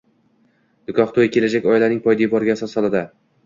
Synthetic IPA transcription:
d̪̥ʊkʰʲɒχt̪ʰojkʲʰe̞lad͡ʒakʲɒjlanɪŋpʰɒjd̪ibɒɾɡʲasɒsɒlˠad̪ɪ

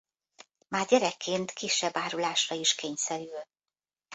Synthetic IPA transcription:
maːrɟɛɾɛkːeːnt̪kiʃːɛbːaːɾulaːʃrɒiʃkeːɲsɛɾyl

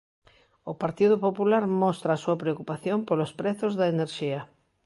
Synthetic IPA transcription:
ʊpaɾt̪iðʊpopulaɾmɔst̪ɾaːsuɐpɾeokupaθjompolospɾeθozðɐeneɾʃiɐ

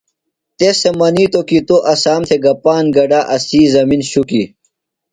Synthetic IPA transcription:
t̪esemɐnit̪okit̪oʔɐsaːmt̪ʰeɡɐpaːnɡɐɖaːʔɐsiːzɐminɕuki

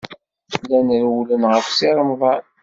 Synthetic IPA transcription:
lænəɾwlənʁəfsiɾˤəmðˤɑɾ

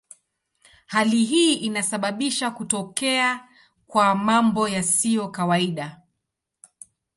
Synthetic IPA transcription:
haliɦiːʔinasaɓaɓiʃakutɔkɛa | kwamambɔjasijɔkawaiɗa

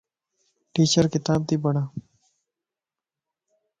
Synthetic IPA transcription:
ʈiːt͡ʃəɾkɪt̪aːb̚t̪iːbəɳaː

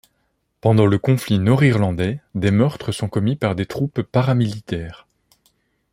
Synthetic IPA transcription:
pɑ̃d̪ɑ̃ləkɔ̃flinɔʁiʁlɑ̃d̪ɛd̪emœʁt̪χəsɔ̃kɔmipaʁd̪et̪χupːaʁamilit̪ɛːʁ

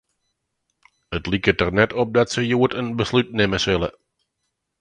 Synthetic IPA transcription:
ətlikətərnɛtɔp̚dɑtsəjuːtənbəslyt̚neməsɪlə̰

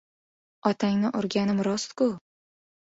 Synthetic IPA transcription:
ɒt̪ʰaŋnɪʔoɾɡʲanɪmɾɒst̪kʊ

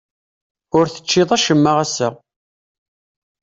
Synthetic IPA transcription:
ʊɾθə̥t͡ʃːɪðˤæʃəmːaʁæsæ

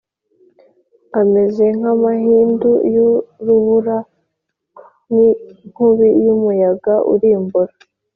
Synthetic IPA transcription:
ame̞ze̞ŋ̥amahiːndujuɾuβuɾa | niŋ̥huβijumujaɡaʔṵɾiːmbuɾa

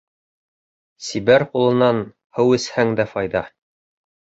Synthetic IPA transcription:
sibæɾqulˠɤ̆nɑn | hɤwɘ̆shæŋd̪æfɑjðɑ

